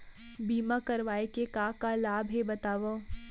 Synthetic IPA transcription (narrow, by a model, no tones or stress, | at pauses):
biːmakɐɾʋaːekekaːkalaːbʱɦebɐt̪aːʋa